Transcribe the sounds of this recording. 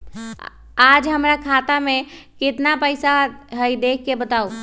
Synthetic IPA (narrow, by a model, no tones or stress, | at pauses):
ad͡ʒɦəmɾakʰat̪amẽkɪt̪napəɪsaɦəjd̪ek̚ʰːebət̪au